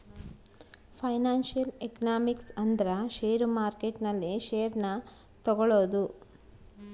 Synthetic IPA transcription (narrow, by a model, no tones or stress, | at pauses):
pʰɐjnaːnʃijɐlekɐnaːmiksɐnd̪ɐɾɐʃeːɾumaːɾkeʈnɐlːiʃeːɾnɐ | t̪ɔɡɔɭoːd̪u